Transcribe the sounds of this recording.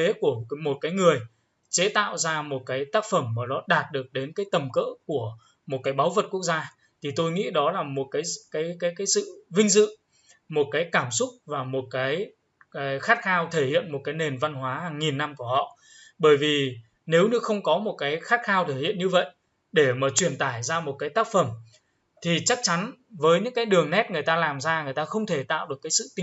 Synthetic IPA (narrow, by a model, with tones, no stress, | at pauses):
e˨˦ku˧˩əmo˨˩t̚kaː˨˦jŋɨ˨˩əj | t͡ɕe˨˦t̪a̰ː˧˨wzaː˧mo˨˩t̚kaː˨˦jt̪aː˦˥k̚fə˧˩mmaː˨˩ɗɔ˨˦ɗaː˨˩t̚ɗɨ˨˩ək̚ɗe˨˦nkaː˨˦jt̪ə˨˩mkə̰ː˧˥ku˧˩ə | mo˨˩t̚kaː˨˦jɓaː˨˦wvə˨˩t̚ku˦˥ək̚zaː˧ | t̪ʰi˨˩t̪o˧jŋḭ˧˥ɗɔ˨˦laː˨˩mo˨˩t̚kaː˨˦jkaː˨˦jkaː˨˦jkaː˨˦jsɨ̰˧˨vï˧ŋ̟zɨ̰˧˨ŋ | mo˨˩t̚kaː˨˦jkaː˧˩msʊ˦˥k͡p̚vaː˨˩mo˨˩t̚kaː˨˦j | xaː˦˥t̚xaː˧wt̪ʰe˧˩hḭ˧˨ənmo˨˩t̚kaː˨˦jne˨˩nva˧nhwaː˨˦ha˨˩ŋːi˨˩nːa˧mku˧˩əhɔ̰˧˨ | ɓəː˧˩jvi˨˩ | ne˨˦wɲɨ˨˧˦xə˧wŋ͡mkɔ˨˦mo˨˩t̚kaː˨˦jxaː˦˥t̚xaː˧wt̪ʰe˧˩hḭ˧˨ənɲɨ˧və̰˧˨jʔ | ɗe˧˩maː˨˩t͡ɕwi˧˩ənt̪aː˧˩jzaː˧mo˨˩t̚kaː˨˦jt̪aː˦˥k̚fə˧˩m | t̪ʰi˨˩t͡ɕa˦˥k̚t͡ɕa˨˦n | vəː˨˦jɲɨ̰˧˥ŋkaː˨˦jɗɨ˨˩əŋnɛ˦˥t̚ŋɨ˨˩əjt̪aː˧laː˨˩mzaː˧ŋɨ˨˩əjt̪aː˧xə˧wŋ͡mt̪ʰe˧˩t̪a̰ː˧˨wʔɗɨ˨˩əkːjsɨ̰˧˨t̪i˧